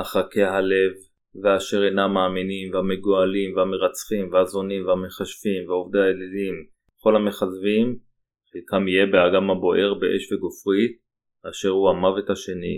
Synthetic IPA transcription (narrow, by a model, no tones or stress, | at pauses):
haχake̞ɦale̞vː | eaʃe̞ʁenamaːminimvehame̞ɡoalimveame̞ʁat͡sχimveazo̞nimveame̞χaʃfimveovd̪aeledim | ko̞lhame̞χazvim | χekamijebeaɡamhabo̞ʔe̞ʁbeʔḛʃveɡofʁi | aʃe̞ʁhuamavet̪haʃe̞ni